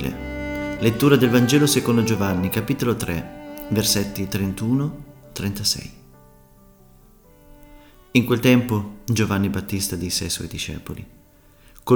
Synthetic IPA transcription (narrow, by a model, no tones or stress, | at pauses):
lḛlet̪ːuːɾad̪elvand͡ʒɛːlosekond̪od͡ʒovanːikapiːt̪olot̪ɾʔɛverset̪ːit̪ɾent̪uːnot̪ɾent̪asɛ̰j | iŋkwelt̪ɛmpod͡ʒovanːibat̪ːist̪ad̪isːeajswɔ̰jd̪iʃɛ̰ːpolḭ | ko